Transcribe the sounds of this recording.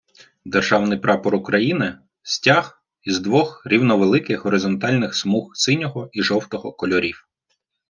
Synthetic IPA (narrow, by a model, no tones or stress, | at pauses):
d̪erʒɑwnɪjpɾɑpɔɾʊkɾʔɐjinɪ | sʲtʲah | izd̪ʋɔxɾʲiwnɔʋelˠɪkɪxɦɔɾɪzɔnt̪ɑlʲnɪxsmuxsɪnʲɔɦɔiʒɔwt̪ɔɦɔkɔlʲɔɾʲiw